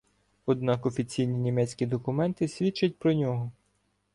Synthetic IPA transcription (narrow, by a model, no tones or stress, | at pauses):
ɔd̪nɑkɔfʲit͡sʲijnʲinʲimɛt͡sʲkʲid̪ɔkʊmɛnt̪ɪsʲʋʲit͡ʃːɐt̚ʲpɾɔnʲɔɦɔ